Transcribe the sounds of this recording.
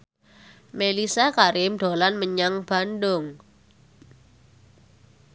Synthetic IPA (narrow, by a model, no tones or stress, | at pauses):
melisakaɾɪmɖ̪̥o̤lanməɲaŋb̥a̤nɖʊŋ